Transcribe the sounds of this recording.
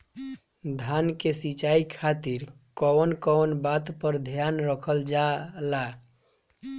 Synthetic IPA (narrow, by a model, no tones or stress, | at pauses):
d̪ʱankesit͡ʃaikʰat̪iɾ | kɔnkɔnbat̪pəɾd̪ʱjanɾəkʰəld͡ʒala